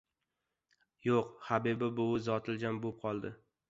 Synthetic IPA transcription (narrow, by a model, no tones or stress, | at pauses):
joqhabibɪbʊzɒt̪ʰɪld͡ʒʲambop̚qʰɒlˠd̪ɪ